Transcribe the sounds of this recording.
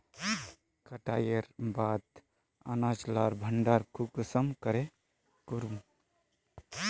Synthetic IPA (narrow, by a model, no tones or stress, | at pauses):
kəʈaːjeɾbaːt̪ | a̰nat͡ʃlaːɾbʱəɳɖaɾkʰukusəmkəɾe | kuɾum